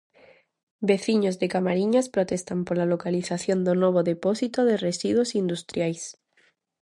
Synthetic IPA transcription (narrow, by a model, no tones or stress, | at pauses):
beθiɲozðekamaɾiɲaspɾot̪est̪ampolalokaliθaθjond̪onoβ̞oðeposit̪oðeresiðwosind̪ust̪ɾjajs